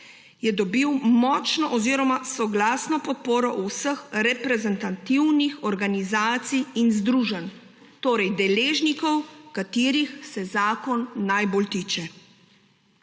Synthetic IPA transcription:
jɛd̪ɔbiwmɔːt͡ʃnɔʔɔziːɾɔmasɔɡlaːsnɔpɔt̪̚poːɾɔʔɔwsəxɾɛpɾɛzɛnt̪at̪iwnixɔɾɡanizaːt̪sijinzd̪ɾuːʒən | t̪oːɾɛjd̪ɛleːʒnikɔwkat̪iːɾixsɛzaːkɔnːajboːlt̪iːt͡ʃɛ

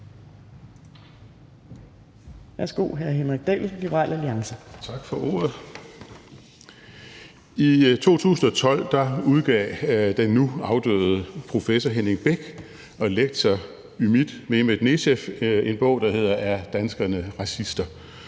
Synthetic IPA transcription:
ʋæɐsɡ̥o̝̰ːɦæɐɦenʁiɡ̥̚d̥ɛ̰llib̥ɐʁɑ̰̈ːlæliɑ̈ŋsət͡sʰɑ̈ɡ̥fɒ̽ʔɔ̰ːɐð̩ˠ | it͡sʰo̝̰ːt͡sʰṵːsn̩ɒ̽t͡sʰɒ̽l̰d̥ɑ̈uð̞ˠɡ̥ɛ̰ːd̥enːuɑ̈ʊd̥ø̰ːð̞̩ˠpʰʁo̝fesɒɦenʁeŋb̥eɡ̥ | ɒ̽leɡ̥̚d̥sʰɐ | ymid̥meemed̥ne̝ɕefe̝nb̥ɔ̽ʊ̰d̥ɑ̈he̝ð̞̰ˠɐæɐd̥ænsɡ̥ɐnəʁɑ̈sisd̥ɐ

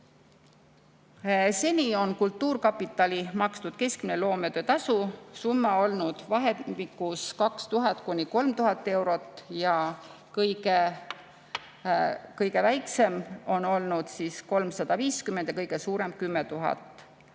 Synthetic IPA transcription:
se̞nʲio̞nkult̪ːuːrkɑpːˑit̪ːˑɑlimɑkst̪ud̪̥ke̞skminelo̞ːmet̪ø̞t̪ɑsusumːɑo̞lnud̪̥vɑɦeikːˑuskɑkst̪uɦɑt̪ˑkunʲiko̞lmt̪uɦɑt̪ːˑe̞wɾo̞t̪ːˑjɑ | kɤjɡe | kɤjɡ̥e̞væjkse̞mo̞no̞lnud̪̥siːsko̞lmsɑd̪̥ɑviːskymend̪jɑkɤjɡ̥e̞suːɾe̞mkymːet̪uɦɑ̰t̪ːˑ

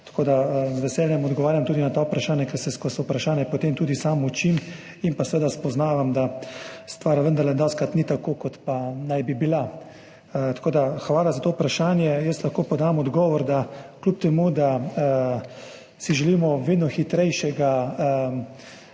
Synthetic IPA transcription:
t̪ḁkoːd̪azʋɛsɛːljɛmɔd̪ɡɔʋaːɾjamt̪uːd̪inat̪aupɾaʃaːnjakɛɾsɛskɔsɔupɾaʃaːnjɛpot̪emt̪uːd̪isamut͡ʃim | inpasɛʋeːd̪aspɔznaːʋamd̪ast̪ʋaːɾʋənd̪ɐɾlɛd̪ɔskɾat̪nit̪akokɔt̪panajbibila | t̪ḁkoːd̪axʋaːlazat̪oupɾaʃaːnjɛjəst̪laxkoːpɔd̪aːmɔd̪ɡɔːʋɔɾd̪aklup̚t̪ɛmud̪a | siʒɛliːmɔʋeːd̪nɔxit̪ɾɛjʃɛɡa

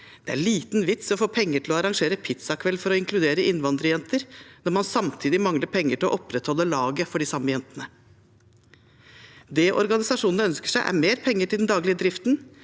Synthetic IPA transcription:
d̪̥ɛæɭiːt̪nʋɪt̪sɔfoːpʰɛŋːəʈʰɪlɔɑɾɑŋʂeːɾəpʰɪt̪sɑkʰʋɛlːfɔɾɔɪŋklʉd̪eːɾəʔɪnʋɑnd̪ɾəjɛnt̪əɾnɔɾmɑnsɑmt̪ʰiːd̪ɪmɑŋləɾpʰɛŋːəʈʰɪlɔʔɔpɾɛt̪hɔlːəlɑːɡəfɔɖɪsɑmːəjɛnt̪ənə | d̪ɛʔɔɾɡɑnɪsɑʂuːnnəœnskə̥ʂæɪʔæ̰ɾmeːɾpʰɛŋːəʈʰɪld̪nd̪ɑːɡlɪəd̪ɾɪft̪n

